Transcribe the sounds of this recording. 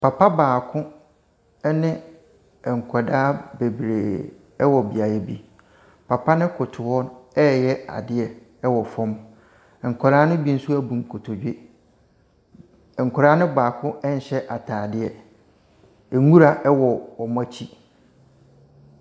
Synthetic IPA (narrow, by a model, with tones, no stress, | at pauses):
pʰa˨pʰa˦baː˨kʰʊ̃˦ | ɛ˦nɪ̃˦ | ɛ˨ŋ̩˨kʰɔ˨daː˦be˨bɾeː˨ | ɛ˦wɔ˨bi˨a˨jɛ˦bi˦ | pʰa˨pʰa˦nɪ̃˦kʰʊ˨tʰʊ˨wɔ˦nɛː˦jɛ˦a̰˨dɪ˦ɛ˨ | ɛ˦wɔ˨fɔ̃˦m˨ | ŋ̩˨kʰɔ˨ɾaː˦nʊ̃˦bi˦n̩˦su˦æ˨bũ˨ŋ̩˨kʰo˨tʰo˨d͡ʑᶣe˦ | ɛ˨ŋ̩˨kʰʊ˨ɾaː˦nɪ̃˦baː˨kʰʊ̃˦ɛ˦n̩˨ɕɛ˦ʔa˨tʰaː˨dɪ˦ɛ˨ | e˨ŋũ˦ɾa˨ʔɛ˦wɔ˨ɔ˨m˦a˦t͡ɕʰi˦